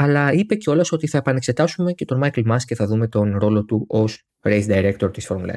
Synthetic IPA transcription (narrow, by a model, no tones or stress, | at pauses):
ɐlɐipe̞ceo̞lɐso̞t̪iθɐe̞pɐne̞kse̞t̪ɐsume̞ce̞t̪omɐjklmɐsce̞θɐðume̞t̪o̞nɾo̞lo̞t̪uʔo̞s | ɾejsd̪ɐiɾe̞k̚t̪o̞ɾt̪isfɾomlɐ̰